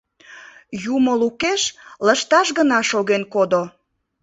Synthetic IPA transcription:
juməlukeʃləʃt̪ɑʃɣənɑʃoɣenkod̪o

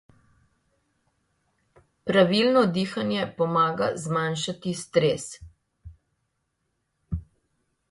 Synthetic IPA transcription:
pɾaʋilnɔd̪iːxanjɛpɔmaːɡazmanʃat̪ist̪ɾeːs

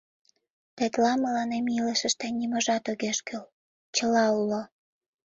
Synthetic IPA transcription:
t̪et̪lɑməlɑnemiləʃə̆ʃt̪enʲimoʒɑt̪oɣeʃkøl | t͡ɕəlɑulo

